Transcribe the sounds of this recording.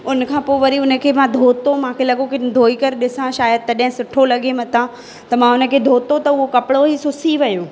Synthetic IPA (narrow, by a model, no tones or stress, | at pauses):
ʊnə̆kʰãːpoːɪʋɐɾiʊnə̆kʰeːmãd̪ʱoːt̪omãːkʰelɐɠokid̪ʱoːikɐɾɗɪsãʃaːjəd̪̚t̪ɐɗɦɪ̃sʊʈʰolɐɠemɐt̪ã | t̪ɐmãʊnə̆kʰeːd̪ʱoːt̪ot̪ɐʊɦokɐpɪɽoisʊsiʋɐjoː